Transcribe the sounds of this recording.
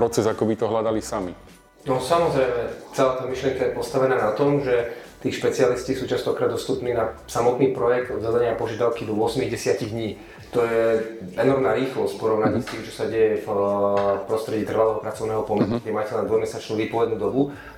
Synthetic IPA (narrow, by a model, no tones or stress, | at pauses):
pɾɔt͡sɛzakɔbit̪ɔɦlad̪alisami | nɔsamɔzɾɛjmɛt͡sɛlaːt̪aːmiʃlɪɛŋkajɛpɔst̪aʋɛnaːnat̪ɔmʒɛt̪iːxʃpɛt͡sialiscisuːt͡ʃast̪ɔkɾaːd̪ɔst̪uːpniːnasamɔt̪niːpɾɔjɛɡ̚d̪ɔzad̪aɲɪapɔʒɪad̪aʊkid̪ɔʊɔsmiɣɟɛsɪaciɣd̪ɲiː | t̪ɔjɛɛnɔɾmnaːɾiːxlɔsc̚pɔɾɔʊnaɲist̪iːmt͡ʃɔ̥saɟɛjɛf | pɾɔst̪ɾɛɟiːt̪r̩ʋalɛːɦɔpɾat͡sɔʊnɛːɦɔpɔmɛsukɟɛmaːcɛlɛnd̪ɔmɛsat͡ʃnuːʋiːpɔʋɛd̪nuːd̪ɔbu